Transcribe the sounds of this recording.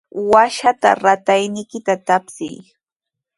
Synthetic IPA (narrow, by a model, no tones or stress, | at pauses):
waʃat̪a̰ɾat̪ajnɪjkɪt̪at̪apsɪj